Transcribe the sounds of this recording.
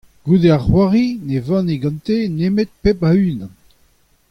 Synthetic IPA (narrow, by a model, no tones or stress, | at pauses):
ɡ̥ud̪eaʁχwaʁinevɑ̃neɡɑ̃nt̪enemet̪̚pepaynã